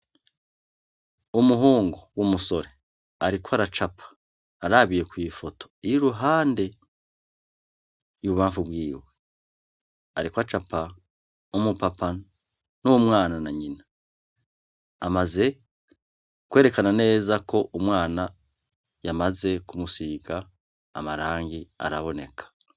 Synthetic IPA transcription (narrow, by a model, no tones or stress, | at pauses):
umuɦuːŋɡowumuso̞ɾe | aɾikwaɾat͡ʃapʰḁː | ɾaβije̞kwiːfo̞tʰo̞̥iiɾuɦaːnde̞ | juβuβaːɱfubwiːwe̞ | a̰ɾikwat͡ʃapʰa | umupapa | nuwomwaːnanaɲina | amaze̞ | kwe̞ːɾe̞kanane̞ːzako̞ʔumwaːna | jamaze̞kumusiːɡa̰ː | maɾaːŋɡia̰ɾa̰βo̞ne̞̰kʰḁ